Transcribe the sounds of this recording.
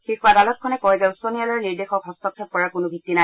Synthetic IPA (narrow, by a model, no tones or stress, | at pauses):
xikʰuadalɔt̚kʰɔnɛkɔjzɛuswɔnijalɔɹniɹdexɔkɦɔstɔtʰɛpɔɹakʊnʊbʱik̚tːina